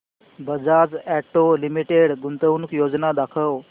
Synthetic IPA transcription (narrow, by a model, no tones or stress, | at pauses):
bəd͡zad͡zæʈolimiʈeɽɡunt̪əwnukjod͡znad̪akʰəw